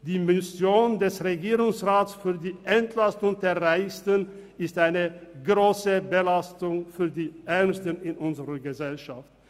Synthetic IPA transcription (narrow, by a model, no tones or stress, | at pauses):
d̥iːmɪsjoːndɛsʁeɡiːʁʊŋsʁaːtsfyːɐdiːʔɛntʰlastʊŋdeːɐʁaɪstən | ɪstʔaɪnəɡʁoːsəbəlastʊŋfyːɐdiːʔɛɐnstənɪnʔʊnzəʁəɡəzɛlʃaft̚